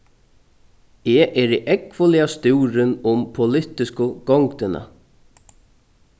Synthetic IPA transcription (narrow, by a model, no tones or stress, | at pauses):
ɛʔɛɾiʔɛkʋʊlɪast̪uːɾɪnʊmpʰʊlɪt̪ɪskʊɡ̥ɔŋkt̪ɪna̰